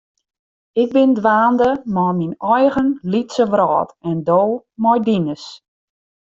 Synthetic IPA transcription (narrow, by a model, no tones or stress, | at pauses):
ɪk̚bɪndʋaːndəmɔminɔjɣənlitsəʋrɔːtɛndowmɔjdinəs